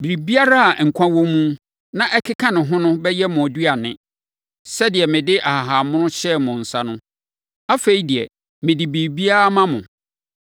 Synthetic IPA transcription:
bi˨ɾi˨bi˦a˦ɾa˦a˨ŋ̩˨kʷʰã˦wõ˦mũ˦ | nã˦ʔɛ˦kʰɪ˦kʰã˦nɪ̃˨ɦʊ̃˦nʊ̃˦bɛ˦jɛ˦mʊ̃˨a˨dɥa˨nɪ̃˦ | sɛ˦dɪ˨ɛ˨mɪ̃˨dɪ˦ʔa˨ha˨ɦa˨mʊ̃˦nʊ̃˦ɕɛ˦˨mʊ̃˨n̩˨sa˦nʊ̃˦ | a˦fe˨i˦di˨ɛ̰˨ | mɪ̃˨dɪ˨bi˨bi˦a˦a˦mã˦mʊ̰̃˨

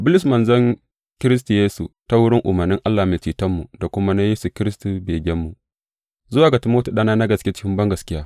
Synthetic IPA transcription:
bʊ˦lɪ˨s̬mɐ˨nzɐ˦ŋ | kʲɪ˦ɾɪ˦s̬tu˨jeː˦sṵ˨ta˦wʊ˦ɽɪ˦ŋʔʊ̰˨mɐ˨rnɪ˦ŋʔa˦lːaː˨meː˨t͡ʃiː˨tɐ˦mːu˨da˨kʷʊ˦ma˦na˦jeː˦su˨kʲɪ˦ɾɪ˦stu˨beː˨ɡʲɛ˦mːu˨ | zʊ˦waː˨ɡa˨ti˨moː˦tu˨ɗa˦naː˦na˦ɡɐ˨skʲe˦t͡ʃɪ̥˦kʲɪ˦mbɐ˦ŋɡɐ˨skʲɪ˦jaː˦

